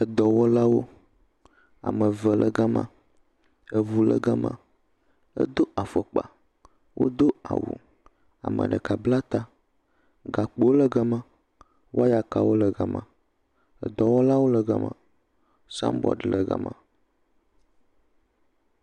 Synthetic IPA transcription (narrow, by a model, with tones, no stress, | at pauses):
ə˨d̪ɔ˨wɔ˦la˦wo˦ | a̰˨mə˨və˨lʔə˨ɡa˦mã̰˦ | ə˨vu˨lə̰˨ɡa˦mã̰˨ | ə̰˦d̪o˦ʔa˨fə˨k͡pa˨ | wʔo̰˦d̪o˦a̰˨wṵ˨ | a̰˨mə̰̃˨ɖə˨ka˨bla˦t̪a˦ | ɡa˨k͡pe˨wo˦lə˦ɡa˦mã˦ | wʔo˦a˦ja˨ka˨wo˦lə˨ɡa˨mã̰˨ | ə˨d̪ɔ˨wɔ˦la˦wo˦lə˨ɡa̰˦mã̰˨ | sã̰˦mbɔ̰˨ɖə˨lə˨ɡa̰˦mã̰˨